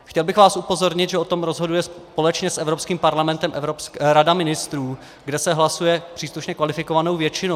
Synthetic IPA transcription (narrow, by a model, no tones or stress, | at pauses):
xcɛlbɪxvaːsupo̞zo̞ɾɲɪt̪ʒɛot̪o̞mɾozɦo̞dujɛspo̞lɛt͡ʃɲɛsʔɛvɾo̞pskiːmpaɾlamɛnt̪ɛmʔɾopsɾadamɪnɪst̪ɾuː | ɡdɛsɛɦlasujɛpr̝̥iːsluʃɲɛkvalɪfɪkovano̞wvjɛt͡ʃɪno